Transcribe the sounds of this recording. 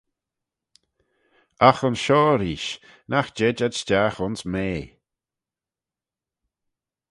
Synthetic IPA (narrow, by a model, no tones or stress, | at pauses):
axənʃɔːɾiːʃ | naxd͡ʒɛd͡ʒadstaxʊnsmeː